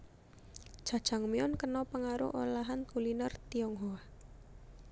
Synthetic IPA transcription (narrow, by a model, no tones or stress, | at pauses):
ʒ̥a̤d̥ʒ̥a̤ŋmiɔnkənɔpəŋaɾʊ̰ʔo̰laɦankulinərt̪iɔŋɦoa